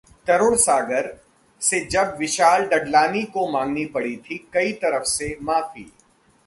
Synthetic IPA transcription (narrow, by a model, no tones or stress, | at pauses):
t̪ɐɾʊɽ̃saːɡəɾ | sed͡ʒɐbʋɪʃaːlɖɐɖlaːnikomãːŋɡnipɐɽit̪ʰikɐit̪ɐɾəfsemaːfḭː